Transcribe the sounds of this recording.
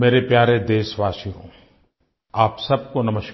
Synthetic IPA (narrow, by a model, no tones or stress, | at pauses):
meːɾepjaːɾed̪eːsʋaːʃiɦõː | aːpsɐb̚konɐməʃk